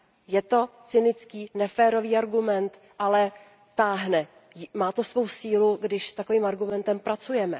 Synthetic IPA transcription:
jɛt̪o̞t͡sɪnɪt͡skiːnɛfɛːɾo̞viːaɾɡumɛnt̪ | ʔalɛ | t̪aːɦnɛ | maːt̪osvo̞wsiːluɡdɪʃst̪akoviːmaɾɡumɛnt̪ɛmpɾat͡sujɛmɛ

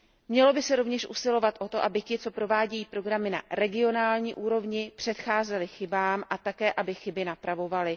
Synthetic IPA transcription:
mɲɛlo̞bɪsɛɾo̞vɲɛʃʔṵsɪlo̞vat̪ʔo̞t̪o̞ʔabɪcɪt͡so̞pɾo̞vaːɟɛjiːpɾo̞ɡɾamɪna̰ɾɛɡɪo̞naːlɲiːʔuːɾo̞vɲɪpr̝̥ɛt̪xaːzɛlɪxɪbaːmʔat̪akɛːʔabɪxɪbɪnapɾavo̞valɪ

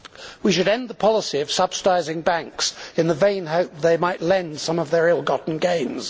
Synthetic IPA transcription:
wiʃɨɾɛ̃nðəpʰɑlˠəsiʌv̥sʌb̥sədaɪzɪ̃ŋbæ̃ŋksɨ̃nðəvẽɪ̃nɦoʊp̚ðeɪmaɪʔˡlɛ̃nd̥sʌ̃mʌvðə˞ɪlˠɡɑʔn̩ɡẽɪ̃nz̥

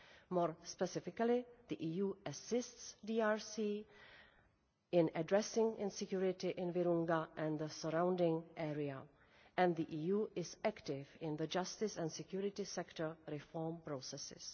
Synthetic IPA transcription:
moːɹspɛsɪfɪkalɪðiʔiːjuːʔasɪstsdiaːɹsiː | ɪ̃nadɹɛsɪ̃ŋɪ̃nsɛkjuɹɪtɪʔɪ̃nvɛɾũŋɡaʔɛ̃nðəsəɾãw̃ndɪ̃ŋʔɛːɹia | ʔɛ̃nðiʔiːjuːʔɪsæktɪvɪ̃nðəd͡ʒastɪsɛ̃nsɛkjuɾɪtɪsɛktə˞ɾɪfɔɹmpɾosɛsɪ̰s

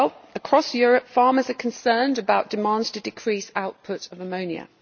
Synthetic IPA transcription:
lˠəkʰɹ̥ɒsjɔːɹəpfɑːməzəkʰə̃nsɜːndəbaʊʔd̥ɪmɑ̃ˑndz̥tʰədɪkʰɹ̥iˑsaʊʔpʰʊtəvəmə̃ʊ̃niə̰

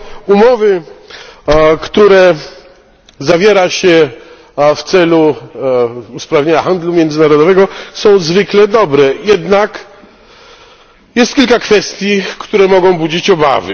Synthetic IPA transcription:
umɔvɘ | kt̪uɾɛ | zavʲjɛɾaɕɛ | ft̪sɛlu | uspɾavɲeɲaxand̪lumʲjɛnd̪zɘnaɾɔd̪ɔvɛɡɔsɔ̃w̃zvɘklɛd̪ɔbɾɛjɛd̪nak | jɛst̪kʲilkakfɛst̪ʲjikt̪uɾɛmɔɡɔ̃w̃bud͡ʑit͡ɕɔba̰vɘ̰

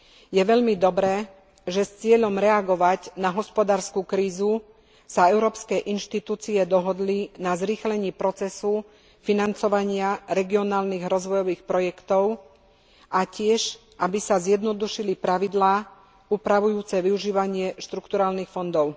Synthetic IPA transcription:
jɛʋɛʎmid̪ɔbɾɛː | ʒɛst͡sɪɛʎɔmɾɛaɡɔʋaɟnaɦɔspɔd̪aːɾskukɾiːzu | saɛʊɾɔːpskɛːʔinʃt̪it̪uːt͡siɛd̪ɔɦɔd̪linazɾiːxlɛɲiːpɾɔt͡sɛsu | finant͡sɔʋaɲɪaɾɛɡiɔnaːlniːɣɾɔzʋɔjɔʋiːxpɾɔjɛkt̪ɔʊ | ʔacɪɛʒ | ʔabisazjɛd̪nɔd̪uʃilipɾaʋid̪laː | uːpɾaʋujuːt͡sɛʋiuʒiːʋaɲɪɛʃt̪ɾukt̪uɾaːlnixfɔnd̪ɔʊ

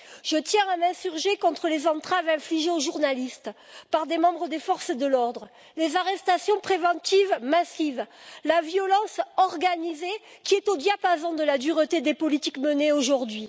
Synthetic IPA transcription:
ʒ̥ət̪jɛ̃amɛ̃syʁʒekɔ̃t̪χəlezɑ̃t̪χavɛ̃fliʒeoʒuʁnalist̪ | paʁd̪emɑ̃bʁəd̪efɔʁsəd̪əlɔʁd̪ʁə | lezaʁɛst̪asjɔ̃pχevɑ̃t̪ivmasivlavjɔlɑ̃sɔʁɡanize | kʲiɛt̪od̪japazɑ̃d̪əlad̪yʁət̪ed̪epɔlit̪ikməneoʒuʁd̪ɥi

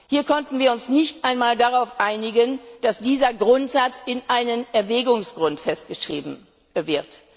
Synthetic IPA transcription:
hiːɐkʰɔntn̩viːɐʊnsnɪçtʔaɪnmaːldaʁaʊfʔaɪnɪɡənd̥asd̥iːzɐɡʁʊntz̥at͡sɪnʔaɪnənɛɐvɛːɡʊŋsɡ̥ʁʊntfɛst̚ɡ̥əʃʁ̥ḭːbm̩ | vɪɐt

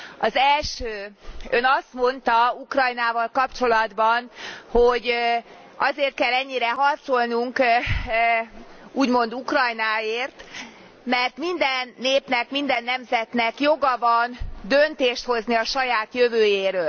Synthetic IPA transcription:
ɒzɛlʃøːønɒst̪mo̞nt̪ɒukrɒjnaːvɒlkɒpt͡ʃo̞lɒd̪bɒnhoɟ | ɒzeːrt̪̚kɛlːɛɲːiɾɛɦɒrt̪so̞lnuŋk | uːɟmo̞n̪d̪ukrɒjnaːeːrt̪ | mɛrt̪mind̪ɛnːeːpnɛkmind̪ɛnːɛmzɛt̪nɛkjo̞ɡɒbɒnd̪ønt̪eːʃt̪ho̞zniɒʃɒjaːt̪jøvøːjeːɾøːl

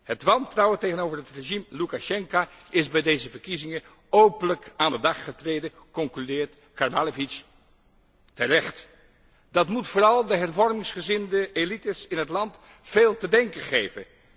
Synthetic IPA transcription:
hətʋɑntrɑwətejχənowvəɹɦətreʒimlukaʃɛŋka | ɪzbɛjdejzəvəɹkizɪŋə | owpənləkaːndədɑχχətrejdə | kɔŋklydɪːɹt | kaɹbalovit͡ʃ | tərɛχt | d̥ɑtmutfʊːrɑlˠdəɦɛɹvɔɹmɪŋsχəzɪndəʔelitəsɪnɦətlɑnt | feːlˠtədɛŋkəχejvə̰n

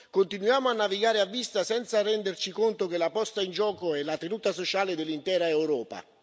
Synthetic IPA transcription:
kont̪inujaːmʊanːaviɡaːɾɪavːist̪asɛnt̪sarɛnd̪ert͡ʃikont̪ok̟elapɔst̪aind͡ʒɔːkoɛlat̪enuːt̪asot͡ʃaːled̪elːint̪ɛːɾaewɾɔːpa̰

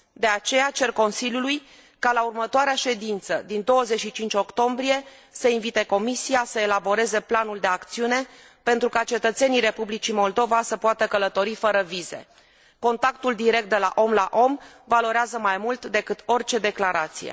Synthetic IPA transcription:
d̪e̞at͡ʃe̞jat͡ʃe̞rko̞nsilʲjuluj | kalaurmət̪oaɾeaʃe̞d̪int̪səd̪ind̪o̞wəze̞t͡ʃʃit͡ʃint͡ʃʲo̞kt̪o̞mbɾije̞səinvit̪e̞ko̞misijasəe̞labo̞ɾe̞ze̞planuld̪e̞akt̪siune̞ | pent̪ɾukat͡ʃe̞t̪ət̪se̞niɾe̞publit͡ʃimo̞ld̪o̞vasəpoat̪əkələt̪o̞ɾifəɾəvize̞̰ | ko̞nt̪ak̚t̪uld̪iɾe̞k̚t̪̚d̪e̞laʔo̞mlaʔo̞m | valo̞ɾeazəmajmult̪d̪e̞kɨt̪o̞rʲt͡ʃe̞d̪e̞klaɾat̪sḭjḛ

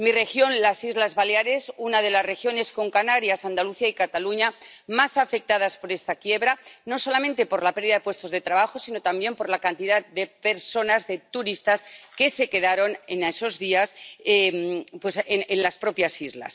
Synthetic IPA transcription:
mire̞xjo̞nlasizlazβaleaɾe̞sunaðe̞laszrexjo̞ne̞sko̞ŋkanaɾjasand̪aluθiaikat̪aluɲamasafe̞k̚t̪aðaspo̞ɾe̞st̪akje̞βɾano̞so̞lamẽnt̪e̞po̞ɾlape̞ɾðiðaðepwe̞st̪o̞zðe̞t̪ɾaβaxo̞sino̞t̪ambje̞mpo̞ɾlakant̪iðatd̪e̞pe̞ɾso̞nazðe̞t̪uɾist̪aske̞se̞ke̞ð̞aɾo̞neneso̞zðiasempwesenenlaspɾo̞pjasizla̰s

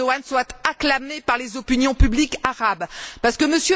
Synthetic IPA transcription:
ɔanswat̪aklamepaʁlezɔpinjɔ̃pyblikaʁabpaʁsə̥kəməsjø

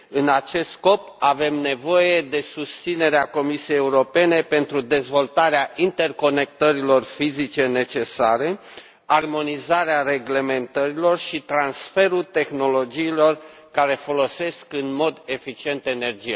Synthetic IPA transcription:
ɨnat͡ʃe̞st̪sko̞p | ave̞mne̞vo̞je̞d̪e̞sust̪sine̞ɾeako̞misiejeuɾo̞pe̞ne̞pe̞nt̪ɾud̪e̞zvo̞lt̪aɾeaʔint̪e̞rko̞ne̞k̚t̪əɾilo̞rfizit͡ʃe̞ne̞t͡ʃe̞saɾe̞ | armo̞nizaɾeare̞ɡle̞me̞nt̪əɾilo̞rʃit̪ɾansfe̞ɾut̪e̞xno̞lo̞d͡ʒiːlo̞r | kaɾe̞fo̞lo̞se̞skɨnmo̞d̪e̞fit͡ʃie̞nt̪ene̞rd͡ʒija

